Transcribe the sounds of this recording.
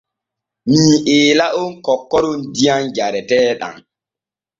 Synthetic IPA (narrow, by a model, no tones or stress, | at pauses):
miːʔeːlaʔunkɔkːɔɾundijand͡ʒaɾɛtɛːɗa̰ŋ